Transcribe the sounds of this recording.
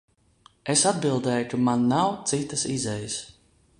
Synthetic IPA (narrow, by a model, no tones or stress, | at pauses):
esad̪̚bilˠd̪ɛːjukamanːawt̪sit̪əsizɛjəs